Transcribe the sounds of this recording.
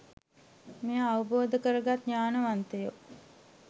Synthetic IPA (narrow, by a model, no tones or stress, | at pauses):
mejəaʋəboːd̪əkəɾəɡat̪ɲaːnəʋant̪əjo